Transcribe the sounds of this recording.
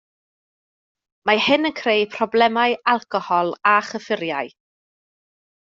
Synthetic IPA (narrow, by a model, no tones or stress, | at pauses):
mahɪnənkʰrejpʰrɔblˠɛmajɨalˠkɔhɔlˠaχəfɪɾjaɨ